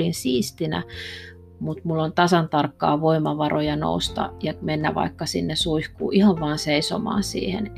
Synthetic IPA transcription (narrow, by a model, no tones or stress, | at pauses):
linsiːst̪inæ̰ | mut̪mulːont̪ɑsɑnt̪ɑrkːɑ̰ːʋoimɑʋɑrojɑno̰ust̪ɑ̰jɑmenːæʋɑ̰ikːɑsinːesuihkṵːʔihɑʋʋɑːnseiso̰mɑ̰ːnsḭːhḛn